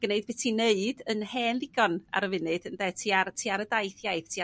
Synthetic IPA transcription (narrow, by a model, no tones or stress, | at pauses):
ɡ̥əneɨd̚bɪtʰineɨd̥ənhɛːnlɪɡɔna̰ɾəvɨnɨd̥əndɛtʰiːartʰiːaɾədajθjajðtʰiː